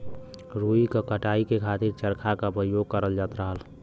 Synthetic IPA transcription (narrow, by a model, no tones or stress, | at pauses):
ɾuikakəʈaikekʰaːt̪iɾt͡ʃəɾkʰakapəjoɡ̚kəɾəld͡ʒaːt̪ɾəɦəl